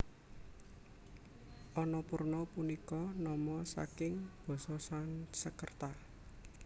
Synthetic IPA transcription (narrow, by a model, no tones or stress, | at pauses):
ʔɔnɔpurnɔpunikɔnɔmɔsa̰kɪŋb̥ɔ̤sɔsansəkərt̪a